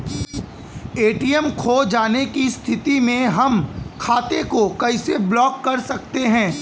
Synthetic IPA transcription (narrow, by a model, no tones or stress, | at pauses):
eːʈijɛmkʰoːd͡ʒaːnekist̪ʰɪt̪imẽɦɐmkʰaːt̪ekokɐɪseblɔːkːɐɾsɐk̚t̪eɦɛ̃ː